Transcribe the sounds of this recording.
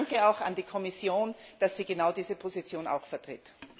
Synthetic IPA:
ŋkəaʊxa̰ndiːkʰɔmɪsjoːnd̥asz̥iːɡenaʊdiːzəpʰozit͡sjoːna̰ʊxfɛɐtʁ̥ɪt

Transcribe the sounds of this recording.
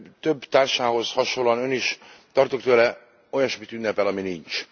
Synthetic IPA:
t̪øbːt̪aːrʃaːɦo̞zhɒʃoloɒnøniʃt̪ɒrt̪okt̪øːlɛ | o̞jɒʃmit̪ynːɛpɛlɒminint͡ʃ

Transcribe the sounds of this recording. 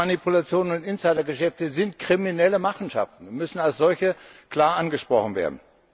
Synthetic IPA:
anipʰulat͡sjoːnənʊntʔɪnsaɪdɐɡəʃɛftəzɪntkʁ̥iminɛləmaχn̩ʃa̰ftn̩mʏsn̩alsz̥ɔlçəkl̥aːɐʔanɡəʃpʁ̥ɔχn̩vḛːɐdn̩

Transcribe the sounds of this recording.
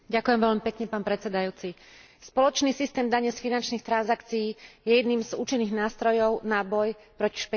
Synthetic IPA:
ɟakujɛmvɛʎmipɛkɲɛpaːnpɾɛt͡sɛd̪ajuːt͡si | spɔlɔt͡ʃniːsist̪ɛːmd̪aɲɛsfinant͡ʃniːxt̪ɾanzakt͡siːjɛjɛd̪niːmzuːt͡ʃinːiːɣnaːst̪ɾɔjɔʊnabɔjpɾɔci̥ʃpɛ

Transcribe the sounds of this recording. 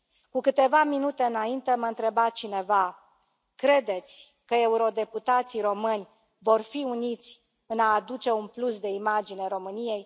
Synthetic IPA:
kukɨt̪e̞vaminut̪e̞ɨnaint̪eməɨnt̪ɾe̞bat̪t͡ʃine̞va | kɾe̞d̪e̞t̪sʲ | kəe̞uɾo̞d̪e̞put̪at̪siɾo̞mɨnʲ | vo̞rfiunit̪sʲ | ɨnaːd̪ut͡ʃe̞unplusd̪e̞imad͡ʒineɾo̞mɨnije̞j

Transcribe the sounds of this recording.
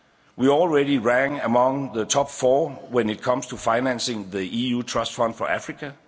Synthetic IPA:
wiɔlˠɹɛɾiɹæ̃ŋəmɔ̃ŋðətʰɒpfɔːwɛ̃nɪt̚kʰʌ̃mstʰufaɪnæ̃nsɪ̃ŋðiʔiuːtʰɹ̥ʌstfʌ̃nd̥fɔʔæfɹikʰə

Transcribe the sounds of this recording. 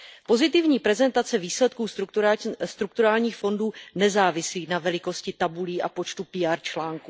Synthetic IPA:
po̞zɪt̪ɪvɲiːpɾɛzɛnt̪at͡sɛviːslɛt̪̚kuːs | st̪ɾukt̪uɾaːlɲiːxfo̞nduːnɛzaːvɪsliːnavɛlɪko̞scɪt̪abuliːʔapo̞t͡ʃt̪upiːaːɾt͡ʃlaːŋku

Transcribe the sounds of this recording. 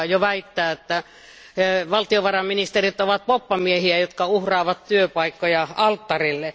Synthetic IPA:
joʋæit̪ːæːet̪ːæ | ʋɑlt̪ioʋɑrɑmminist̪erit̪oʋɑt̪̚popːɑmiehiæjot̪kɑuhrɑːʋɑt̪t̪yøpɑikːojɑɑlt̪ːɑrilːe

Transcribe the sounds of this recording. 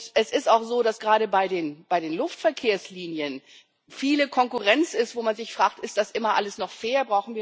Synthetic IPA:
ʔɛsɪstaʊxz̥oːdasɡ̥ʁaːɾəbaɪdeːnb̥aɪdeːnlʊftfɛɐkʰeːɐsliːnjən | fiːləkʰɔŋkuʁɛnt͡sɪstv̥oːmanzɪçfʁ̥aːk̚tʔɪstd̥asʔɪmɐʔaləsnɔχfeːɐbʁaʊxn̩viː

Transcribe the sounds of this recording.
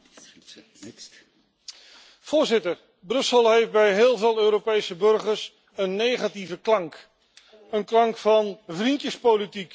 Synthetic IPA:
v̥ʊːɹzɪtəɹ | brɵsəlˠɦejfd̚bɛjɦɪːlˠveːlˠøːɾopejsəbɵrχəɹs | ənːejχativəklɑŋk | ənklɑŋkfɑnvrintəspowlitik

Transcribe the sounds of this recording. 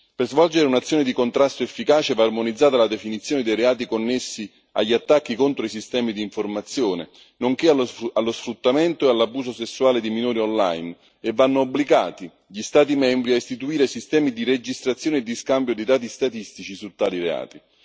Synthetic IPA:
perzvɔld͡ʒeɾeunat̪sːjoːned̪ikont̪ɾast̪oefːikaːt͡ʃevaːrmonid̪zːaːt̪alad̪efinit̪sːjoːned̪ejɾeaːt̪̬ikonːesːi | a̰ʎːiat̪ːakːikont̪ɾois̬ist̪ɛːmid̪iːɱformat̪sːjoːnḛ | noŋk̟ealalːosfɾut̪ːament̪oealːabːuːsosesːuaːled̪iminuːɾiɔnla̰jn | evːanːoːbːliɡaːt̪i | ʎist̪aːt̪̬imɛmbɾiaist̪it̪uiːɾesist̪ɛːmid̪ired͡ʒist̪ɾat̪sːjoːned̪ːiskambjod̪id̪aːt̪̬ist̪at̪ist̪it͡ʃisut̪ːaːliɾea̰ːt̪i

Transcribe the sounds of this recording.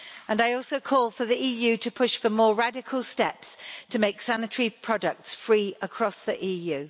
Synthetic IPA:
ə̃naɪɔˑlˠsoʊkʰɔːlˠfəðiiːjʉːtʰəpʰʊʃfəmɔːɹadɪkʰəlˠstɛpstʰəmeɪksanɪtʰəɹipʰɹ̥ɒdək̚tsfɹiːəkʰɹ̥ɒsðiʔiːjʉː

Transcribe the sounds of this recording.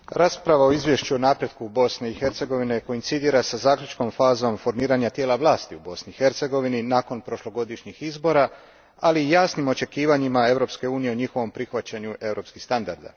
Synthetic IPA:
ɾaːspɾaʋaoizʋje̞ʃt͡ɕuonaːpɾje̞d̪̚kubo̞sneixe̞ɾt̪se̞ɡo̞ʋineko̞int̪sid̪iːɾasazaːkʎʲut͡ʃko̞mfaːzo̞mfo̞ɾmiːɾaɲat̪jeːlaʋlˠaːst̪iubo̞sniixe̞ɾt̪se̞ɡo̞ʋininaːko̞npɾo̞ʃlo̞ɡo̞d̪iʃɲixizbo̞ːɾa | aliːjaːsnimo̞t͡ʃe̞kiːʋaɲimae̞ʋɾo̞pskeuːnije̞oɲixo̞ʋo̞mpɾixʋat͡ɕaɲuʔe̞ʋɾo̞ːpskixst̪and̪aɾd̪a̰

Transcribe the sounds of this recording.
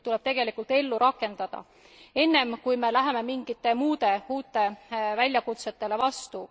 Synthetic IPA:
t̪ule̞b̥t̪e̞ɡ̥e̞likːˑult̪e̞lːuɾɑkːˑe̞nd̪̥ɑd̪̥ɑ̰ | e̞nːe̞mkujme̞læɦeme̞miŋɡ̥it̪ːˑe̞muːd̪̥e̞uːt̪ːˑe̞vælʲjɑkut̪set̪ːe̞le̞vɑst̪u

